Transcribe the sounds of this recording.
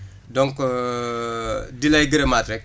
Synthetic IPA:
dɔŋk | dilɐjɡəɾemaːtɾɛk̚

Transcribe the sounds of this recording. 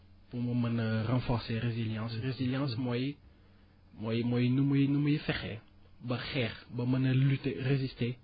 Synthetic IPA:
pumɐmɐnɐʁɑ̃fɔʁseʁeziljɑ̃sʁeziljɑ̃ːsmɔj | mɔjmɔjnumujnumujfɛχɛ̰ | bɐxɛːʁbɐmɐnɐlyterezist̪e

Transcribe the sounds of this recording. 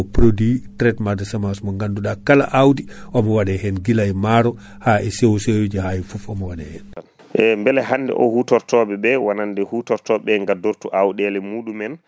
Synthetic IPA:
pɾoditɾɛtmadɛsamasmɔŋɡanduɗakala̰ʔawdiʔɔmɔwadɛhɛnɡilajmaɾɔ | haʔɛsewsewd͡ʒɛhajifufɔmɔwaɗɛhɛnan | ʔɛmbɛlɛhandɛ̰ʔɔ̰hutɔɾtɔɓɛbɛwanandɛhutɔɾtɔɓɛŋɡadoɾtuʔawɗɛlɛmuːɗumɛn

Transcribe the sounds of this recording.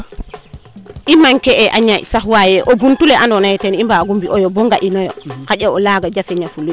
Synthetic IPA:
ʔimaŋkɛʔɛʔaɲa̰saɦwajɛʔɔbuntulɛʔanɔnajtɛnimbaɡumbiʔɔjɔbɔŋɡaʔinɔjɔhaʄaɔlaɡad͡ʒafɛɲafulu

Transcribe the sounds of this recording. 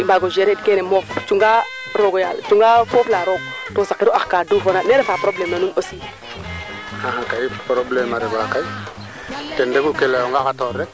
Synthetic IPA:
ibaɡoʒeɾed̚kenemoft͡ʃuŋɡa | ɾoɡoja̰ːlt͡ʃuŋɡafoːflaɾoɡ | tosakiɾɔʔaxkaːduːfonaneɾefapɾoblemnanunosi | ãɦãkaipɾoblemaɾeɡakaj | tendekukelajoŋɡakatoɾːek̚

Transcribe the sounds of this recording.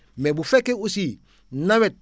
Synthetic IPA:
mɛbufɛkeusi | nãwɛt̚

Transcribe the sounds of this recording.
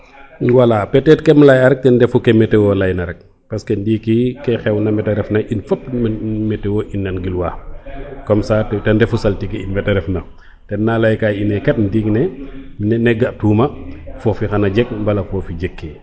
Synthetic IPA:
walapɛtɛt̚kɛmlajɐɾɛk̚tɛndɛfukɛmɛtɛwɔlɐjnɐɾɛk̚ | pɐskɛndiːkikɛxɛwnɐmɛtɛɾɛfnɐʔinfɐpːmmɛtɛwɔʔinːɐnɡilwaːkɔmsaːtɛndɛfusɐltikɛinmɛtɛɾɛfnɐ | tɛnːalajkainɛkɛt̚ndiːŋnɛmnɛnɛɡaʔtuːmɐfɔːfixɐnɐɟɛk̚mbɐlɐfɔːfiɟɛkːɛ

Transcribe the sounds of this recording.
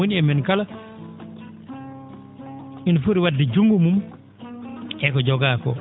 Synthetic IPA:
oniɛmɛnkala | infuɾiwadːɛd͡ʒuŋɡumum | ɛkɔd͡ʒɔɡaːkɔ̰

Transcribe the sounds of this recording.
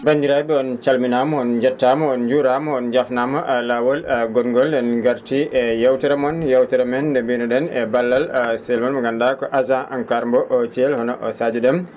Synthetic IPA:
bandiɾabɛɔnt͡ʃalminamɔɔnd͡ʒatːamɔɔnd͡ʒuɾamɔɔnd͡ʒafnamalawɔlɡɔnŋɡɔldɛnɡaɾtiʔɛjawtɛɾɛmɔnjawtɛɾɛmɛndɛbinɔdɛnɛbalːalsɛlmanmɔɡandakɔʔazãʔankaɾmbɔʔɔt͡ʃiɛlhɔnɔʔɔsad͡ʒɛɗɛm

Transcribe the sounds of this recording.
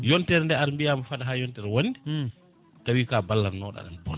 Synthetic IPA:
jɔntɛɾndɛaɾmbijamafaɗaɦaːjɔntɛɾwonːdɛ | tawiːkabalːanɔːɗa̰ɗɛ̰nbɔ̰n

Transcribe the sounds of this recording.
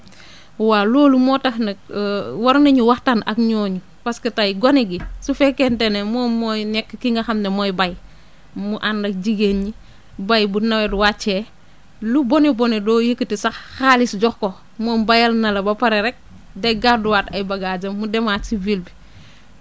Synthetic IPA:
waloːlumɔtaxnɐk̚wɐɾnɐɲuwaxtanɐ̰kɲɔːɲu | paskɐtajɡoniɡisufɛkɛntenemoːmɔjnɛkːkiŋɡɐxɐmnemojbaj | muʔandɐk̚d͡ʒiɡeni | bajbunɐwɛdwat͡ʃɛ | lubonibɔnidɔːjəkːətisaxxalisɟɔxko | mombajɐlnɐlɐbɐpɐɾeɾɛk̚ | dɛɡaduwaːtɐjbɐɡad͡ʒɐmːudɛmasivilbi

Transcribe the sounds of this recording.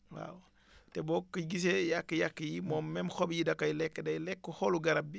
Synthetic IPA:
wa̰w | tebɔːkːiɡis̬ejakːəjakːjimɔːmmɛmxobjidɐkːajlɛkːdɐjlɛkːoholuɡɐɾab̚bi

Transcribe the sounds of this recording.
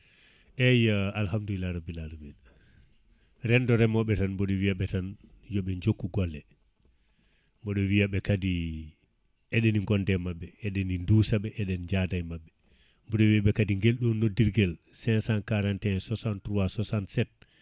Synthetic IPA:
ʔɛjaalhamduilaɾabilalumin | ɾɛndɔɾɛmɔɓɛtanmbɔɗɔwijaɓɛtanjɔɓɛɲd͡ʒokːuɡɔlːɛ | mbɔɗɔwijaɓɛkadi | ɛɗɛniŋɡɔndɛmaɓːɛɛɗeninduːsaɓɛʔɛɗɛnd͡ʒadajmabːɛ | mbɔɗɔwiaɓɛkadiŋɡelɗɔnːɔdiɾɡɛlsɛnsankaɾantɛsɔsantɾuasɔsantsɛt̚

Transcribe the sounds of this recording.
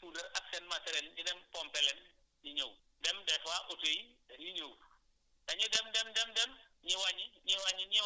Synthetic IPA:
suːlɐrɐk̚sɛnmɐtɛɾɛlɲidɛmpɔmpɛlɛn | jiɲow | dɛmdɛfaʔutujidɐjiɲow | dɐɲudɛmdɛmdɛmdɛm | ɲiwɐɲiɲiwɐɲːiɲi

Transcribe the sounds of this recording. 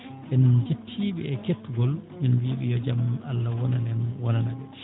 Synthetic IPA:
ʔɛnd͡ʒetʰːiːɓɛɛketːuɡɔlmɛnwiːɓɛjɔd͡ʒamalːawɔnanɛnwɔnanaɓɛ

